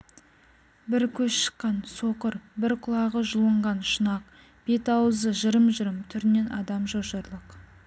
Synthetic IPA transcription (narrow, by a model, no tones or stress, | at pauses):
bɪɾkʲʰɵsʃə̥qːɑnso̞qəɾbɪɾqʰʊlˠɑʁəʒʊlˠəɴʁɑnʃənɑq | b̥e̞t̪ɑwəzəʒəɾəmʒəɾəmt̪ʰʏɾɪne̞nʔɑd̪ɑmʒoʃəɾlˠəq